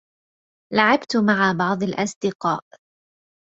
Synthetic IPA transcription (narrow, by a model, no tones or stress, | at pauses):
laʕabt̪maʕabɑʕd̪ˤɑlʔasd̪ɪqɑːʔ